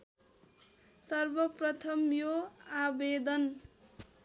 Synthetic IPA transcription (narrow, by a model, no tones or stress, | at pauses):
sʌrbʌprʌt̪ʰʌmjoabed̪ʌn